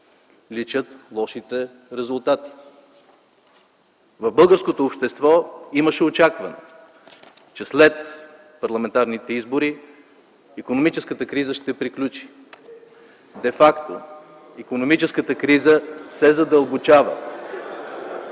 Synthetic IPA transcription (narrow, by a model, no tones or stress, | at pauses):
lit͡ʃət̪lˠɔʃit̪ɛ | ɾɛzʊlˠt̪at̪i̥ | vɐvbɤlˠɡəɾskot̪oːpʃt̪ɛst̪vɔiməʃɛot͡ʃakvɐnɛ̰ | t͡ʃɛslɛt̪ | pɐɾlˠɐmɛnt̪aɾnit̪ɛizboɾi | ikonomit͡ʃɛskət̪əkɾizəʃt̪ɛpɾiklʲut͡ʃi̥ | d̪ɛfakt̪o | ikonomit͡ʃɛskət̪əkɾizəsɛzɐd̪əlˠbot͡ʃavə̰